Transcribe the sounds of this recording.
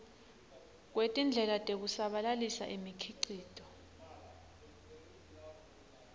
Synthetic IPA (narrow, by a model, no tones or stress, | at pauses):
k̬wetʼind͡ɮʱɛlatʼek̬usaɓalalisa̰ʔimikʰiǀiːd̥ʱʼɔ